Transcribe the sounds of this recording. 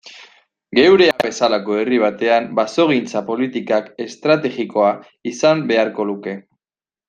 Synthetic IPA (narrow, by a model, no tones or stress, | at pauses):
ɡe̞wɾe̞aβe̞salako̞e̞riβ̞at̪e̞ambaso̞ɣ̞int͡sapo̞lit̪ikake̞st̪ɾat̪e̞ɣiko̞a | isambe̞aɾko̞luke̞